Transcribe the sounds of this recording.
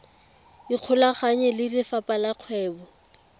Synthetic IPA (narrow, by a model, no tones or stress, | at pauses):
iq͡χʰʊlaχaɲɛlɪrɪfapalaq͡χʰwɛːbɔ